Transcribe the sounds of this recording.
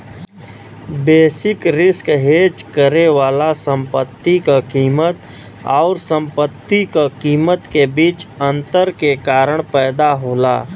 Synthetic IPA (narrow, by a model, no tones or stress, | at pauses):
beːsɪkɾɪskɦeːd͡ʒkəɾewaːlasə̃mpət̪ːikakiːmət̪ | ɔːɾsə̃mpət̪ːikakiːmət̪kebiːt͡ʃə̃nt̪əɾkekaːɾəɽ̃pɛːd̪aɦoːla̰ː